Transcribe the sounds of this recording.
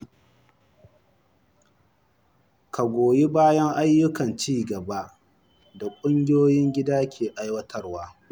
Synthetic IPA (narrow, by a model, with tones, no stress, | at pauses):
ka˨ɡʷoː˨ji˦baː˦jɐ˦ŋʔa˦jːʊ˦kɐ˨nt͡ʃiː˦ɡɐ˨ba˦ʔ | da˨kʷʼʊ˦ŋɡʲɪ˦joː˦jɪ˦ŋɡʲɪ˦daː˦kʲʰeː˨ʔa˦jwɐ˦tʰɐ˦rwaː˦